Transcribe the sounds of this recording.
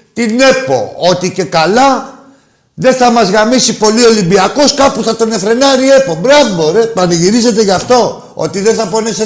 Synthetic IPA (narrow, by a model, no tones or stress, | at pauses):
t̪ine̞po̞̰o̞t̪ice̞kɐlɐ | ðe̞θɐmɐzɣɐmisipo̞lio̞limbiɐko̞skɐpuθɐt̪o̞ne̞fɾe̞nɐɾie̞pobɾɐvoɾet̪oɐnɐʝiɾize̞t̪e̞ʝɐft̪o̞ | o̞̰t̪iðeθɐpo̞nese